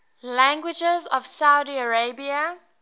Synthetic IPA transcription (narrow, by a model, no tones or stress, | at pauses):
læ̃ŋɡwɪd͡ʒɛzɔvsaʊdiəɹebiə